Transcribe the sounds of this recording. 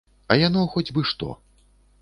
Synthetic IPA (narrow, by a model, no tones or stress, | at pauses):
ɐjanɔxɔd͡zʲbɨʂt̪ɔ̰